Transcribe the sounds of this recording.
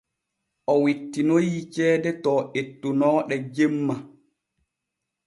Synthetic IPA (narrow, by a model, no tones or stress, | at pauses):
ʔɔwitːinojit͡ʃɛːdɛtɔːetːunɔːɗɛd͡ʒemːa